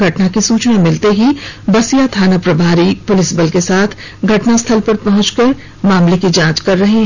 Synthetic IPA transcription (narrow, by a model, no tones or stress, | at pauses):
ɡʱɐʈnakisuːt͡ʃnamɪlt̪eɦibɐsijat̪ʰaːnapɾɐbʱaːɾipʊlɪsbɐlkesaːt̪ʰ | ɡʱɐʈnast̪ʰɐlpɐɾpɐɦʊ̃t͡ʃkɐɾ | maːmlekid͡ʒãːt͡ʃkɐɾːɐɦeɦɛ